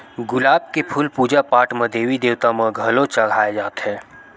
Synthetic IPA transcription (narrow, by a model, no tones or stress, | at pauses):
ɡʊlaːb̚kepʰʊlpuːd͡ʒapaːʈmẽd̪eːʋid̪eːwt̪amẽɡʱɐlot͡ʃɐɡʱaːed͡ʒaːt̪ɦɛ̃ː